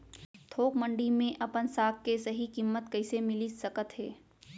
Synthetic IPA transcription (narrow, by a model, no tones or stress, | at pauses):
t̪ʰoːkmə̃ɳɖimẽʔɐpənsaːk̚kesɐɦikimːət̪kɐɪsemɪlisɐkət̪ɦɛː